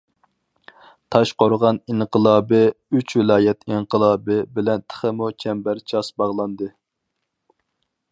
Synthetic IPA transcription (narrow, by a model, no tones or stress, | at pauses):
t̪ʰɑʃqoɾʁɑniɴqʰəlˠɑːbɨyt͡ʃwɪlˠɑːjɛt̪ʰiɴqʰəlˠɑːbɨbɪlɛnt̪ʰə̥χəmut͡ʃʰɛmbæɾt͡ʃʰɑsbɑʁlˠɑnd̪ɨ